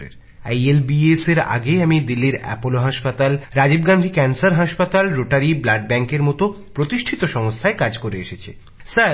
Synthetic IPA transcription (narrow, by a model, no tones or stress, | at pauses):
ɾḛɾ | ajelbieseɾa̰ɡeamid̪ilːiɾɛ̰poloɦaʃpat̪alɾad͡ʑibɡand̪ʱikɛnsaɾɦaʃpat̪alɾoʈaɾiblaɖ̚bɛŋkeɾmɔt̪o | pɾot̪iʃʈʰit̪oʃɔŋost̪ʰaekad͡ʑkoɾeeʃet͡ɕʰi | saɾ